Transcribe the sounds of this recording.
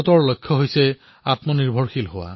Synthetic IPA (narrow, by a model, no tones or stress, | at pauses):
ɔtɔɹlojkʰːɔɦojsɛ | atmɔniɹbʱɔɹxilɦʊwa̰